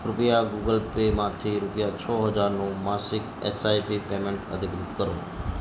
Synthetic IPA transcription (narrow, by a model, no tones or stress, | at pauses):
ɾʊpjaɡuːɡəlpemãt̪ʰiɾʊpjat͡ʃʰɔːɦəd͡ʒaːɾnũmaːsɪk | ɛ̰saːipipemẽɳʈə̰d̪ʱɪkɾɪt̪kəɾõː